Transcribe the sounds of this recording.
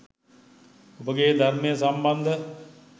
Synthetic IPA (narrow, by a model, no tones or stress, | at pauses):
bəɡeːd̪ʱəɾmẽːsəmbənd̪ʱ